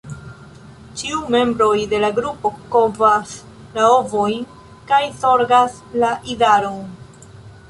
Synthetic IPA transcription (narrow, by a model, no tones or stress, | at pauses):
t͡ʃiume̞mbɾo̞jde̞laɡɾupo̞kovas | lao̞vojn | kajso̞ɾɡas | laʔidaɾon